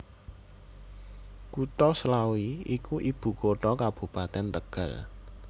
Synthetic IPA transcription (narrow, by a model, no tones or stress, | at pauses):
kuʈɔslawiikuʔib̥ṳkoʈɔkab̥ṳpat̪ɛnt̪əɡ̥əl